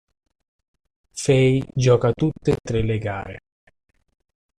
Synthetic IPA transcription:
fɛjd͡ʒɔːkat̪ut̪ːet̪ːɾelːeɡa̰ːɾḛ

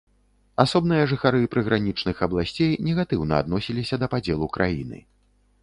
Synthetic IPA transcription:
asɔbnɨjɐʐɨxaɾɨpɾɨɣɾanʲit͡ʂnɨxɐblˠasʲt͡sʲejnʲɛɣat̪ɨwnɐa̰d̪nɔsʲilʲisʲɐd̪ɐpad͡zʲɛlˠukɾʔa̰jḭnɨ̰

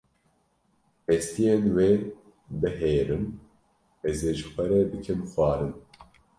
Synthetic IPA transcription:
ɛst̪ijenweː | bɨɦeːɾɨm | ɛzeːʒɨxʷɛɾɛb̪ɨkʰɨmxʷɑːɾɨn

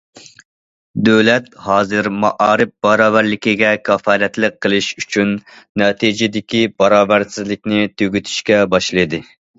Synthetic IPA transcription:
d̪øwlɛt̪̚hɑːzɨɾmɑ̰ʔɑːɾɨp̚bɑɾɑːvæɾlɪkʲiɡʲɛkʲʰɑfɑːɾɛt̪ləqʰːəlˠɨʃyt͡ʃʰynnːɑːt̪ʰid͡ʒɪd̪ɪkʲib̥ɑɾɑːvæɾsɪzlɪkʲnɪt̪ʰøɡʲyt̪ʰy̥ʃkʲɛbɑʃlˠɨjd̪ɨ

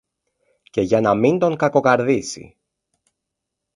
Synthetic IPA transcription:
ce̞ʝɐnɐmind̪o̞ŋkɐko̞kɐɾðisḭ

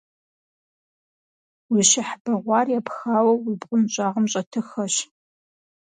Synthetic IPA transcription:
wiɕɪħb̥ɐʁʷɑːrjapxaːwɐwipʼʊnɕʼaːʁɐmɕʼɐtʰɨxɐɕ

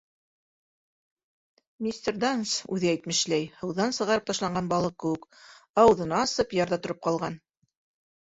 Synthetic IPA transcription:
mʲisʲt̪ʲerd̪ansʉðɘæjt̪mɘ̆ʃlæjhɤ̆wðɑnsɤ̆ʁɑɾɤp̚t̪ɑʃlˠɑɴɢɑnbɑlˠɤq̚kɘ̆wɘkɑwðɤ̆nɑːsɤpjɑɾðɑt̪ŏɾop̚qɑlˠʁɑn

